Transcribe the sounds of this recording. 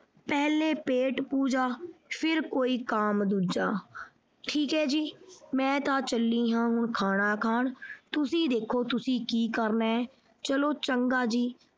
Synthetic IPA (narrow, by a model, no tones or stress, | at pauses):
pɛːlẽːpeːʈpuːd͡ʒaːpʰɪɾkoːiːkaːmd̪uːd͡ʒaː | ʈʰiːkɦɛːd͡ʒiːmɛ̃ːt̪ãːt͡ʃəlːĩːɦãːɦʊɳkʰaːɽ̃aːkʰaːɳt̪ʊsĩːd̪eːkʰːoːt̪ʊsĩːkiːkəɾnaːɛː | t͡ʃəloːt͡ʃəŋɡaːd͡ʒiː